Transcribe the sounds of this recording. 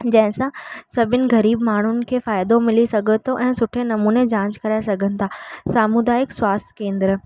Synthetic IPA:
d͡ʑɐ̃ɦɪ̃sãsɐbʱɪnɪ̆ɣɐɾiːbmaːɳ̤ʊnɪ̆kʰeːfaːɪd̪omɪlisɐɡʱət̪ʰoʔɛ̃ːsʊʈʰenɐmuːned͡ʑãːɲt͡ɕkɐɾaːesɐɡʱənɪ̆t̪ʰaːsaːmʊd̪aːɪkswaːst̪ʰkẽːnd̪ɾ

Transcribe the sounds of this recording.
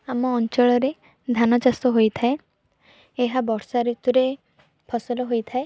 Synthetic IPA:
amɔːnt͡ʃɔɭɔɾe | d̪ʱanɔt͡ʃasɔɦojt̪ʰae | eɦabɔɽsaɾut̪uɾe | pʰɔsɔlɔɦojt̪ʰae

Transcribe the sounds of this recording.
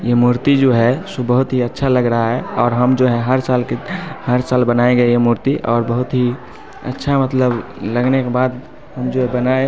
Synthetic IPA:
jemuɾt̪id͡ʒoɦɛsobəɦut̪ɦiətːʃʰaləɡɾəɦaɦɛɔːɾɦəmd͡ʒoɦɛɦəɾsaːlkehəɾsaːlbənaeɡəeemuɾt̪iʔɔːɾbəɦʊt̪ɦi | ə̰tːʃʰamət̪ləbləɡnekebaːd̪ | həmd͡ʒoɦɛbənae

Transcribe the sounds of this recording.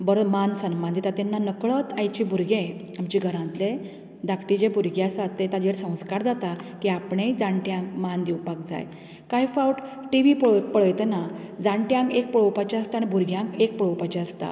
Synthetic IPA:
bəɾmansəmband̪ʱit̪at̪enːanəkɭət̪ajt͡ɕibʱuɾɡẽ | amt͡ɕiɡʱəɾãnt̪le | d̪akʰʈid͡ʑebʱuɾɡjasat̪ːet̪ad͡ʑeɾsə̃w̃skaɾd͡zat̪akiapɳed͡zãɳʈjãŋkmand̪iwpak̚d͡za̰j | kajfawʈ | ʈiʋipɭpəɭəjt̪enad͡zãɳʈjãŋkek̚pəɭəwpat͡ɕiast̪añibʱuɾɡjãŋkek̚pəɭəwpat͡ɕiast̪a̰

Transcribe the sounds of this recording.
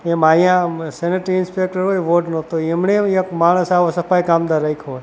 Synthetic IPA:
emajãseneʈɪnspek̚ʈəɾɦojʋoɖnõt̪oemɳeekmaɭ̃əsaʋosəpajkamd̪aɾəikʰɦoj

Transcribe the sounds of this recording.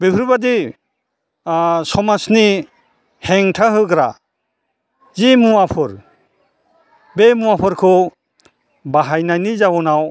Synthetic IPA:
bepʰɯɾbadi | sɔmasni | heŋtʰaɦɯɡɾa | zimuwapʰɯɾ | bemuapʰɯɾkʰɯ | baɦajnajnizawɔnaw

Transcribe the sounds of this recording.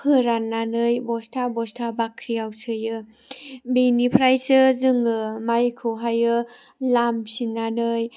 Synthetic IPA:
hʰɯɾanːanɯjbɔstʰabɔstʰabakʰɾiawsʰɯjɯ | benipʰɾajsɯzɯŋɯmajkʰɯwɦajɯ | lamsinanɯj

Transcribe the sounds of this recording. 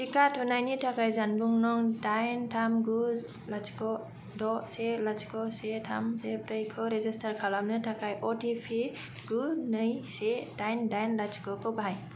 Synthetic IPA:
tikatʰɔnajnitʰakajzanbuŋnɔŋdajntʰamɡu | lat͡ʃkɔ | dɔselat͡ʃʰkɔsetʰamsepɾɯjkʰɯɾezistʰaɾkʰalamnɯtʰakajʔɔtʰipʰi | ɡ̥unɯjsedajndajnlat͡ʃʰi̥kɔkʰɔbaj

